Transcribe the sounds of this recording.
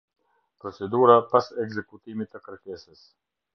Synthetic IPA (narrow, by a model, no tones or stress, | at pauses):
pɾɔt͡sɛd̪uɾapasɛɡzɛkut̪imit̪ːəkəɾkɛsəs